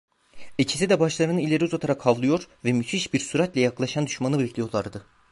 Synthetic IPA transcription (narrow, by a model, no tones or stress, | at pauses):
et͡ʃʰi̥sid̪ɛbaʃlˠaɾɯnɯnilʲe̞ɾiuzat̪ʰaɾakʰhavlˠɯjo̞ɾvɛmyt̪ʰiʃbiɾsyɾat̪lʲɛjaklˠaʃand̪yʃmanɯbeɛclʲijo̞ɾlˠaɾd̪ɯ